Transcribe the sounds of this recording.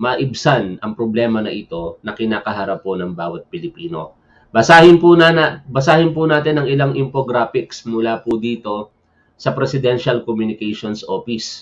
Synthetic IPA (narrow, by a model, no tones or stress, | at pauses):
mɐʔɪbsanɐŋpɾoblɛːmɐnɐʔɪt̪o̞nɐkɪnaːkɐɦaɾɐpːonɐŋbaːwɐt̪̚pɪlɪpiːno̞̰ | bɐsaːhɪnpʊnabɐsaːhɪnpʊnaːt̪ɪnɐŋɪlaŋʔɪmpoɡɾaːpɪksmʊlaːpʊd̪iːt̪o̞ | sɐpɾɛsɪd̪ɛnʃɐlkomjʊnɪkɛjʃonsʔoːfɪs